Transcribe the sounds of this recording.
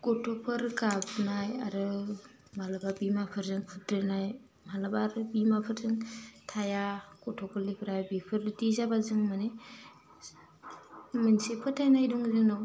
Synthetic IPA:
kɔtʰɔpʰɯɾkabnajaɾɯ | malabaɾbimapʰɯɾzɯŋpʰɯtɾenaj | malabaɾɯbimapʰɯɾzɯŋtʰajakɔtʰɔpʰɯɾlipʰɾajbipʰɯɾtizabazɯŋmane | mɯnsepʰɯtʰajnajdɔŋzɯŋnɯw

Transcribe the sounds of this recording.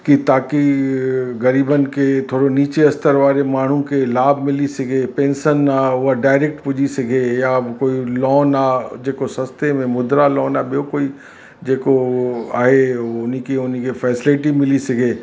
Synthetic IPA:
kit̪aːki | ɣɐɾiːbənket̪ʰoːɽoniːt͡ʃeɐst̪əɾʋaːɾemaːɳ̤ũkelaːbmɪlisɐɡeːpẽːnsənaːʊɦaɖaːɪɾeːk̚ʈpʊd͡ʒisɐɡejakoːilɔːnaːd͡ʒeːkosɐ̃st̪emẽmʊd̪ɾalɔːnabijokoːi | d͡ʒeːkoaːɦeʊnĩkiʊn̤ĩkifʰɛːsɪlɪʈimɪlisɐɡʱeː

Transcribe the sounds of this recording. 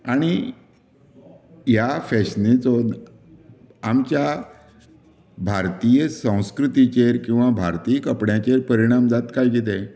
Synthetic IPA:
aɽ̃i | jafɛɕnet͡sɔd̪ | amt͡ɕja | bʱaɾt̪ijəsə̃w̃skɾut̪it͡ɕeɾkĩw̃ʋabʱaɾt̪ijkəpɽjat͡ɕeɾpəɾiɽ̃amd͡zat̪kajɡet̪e

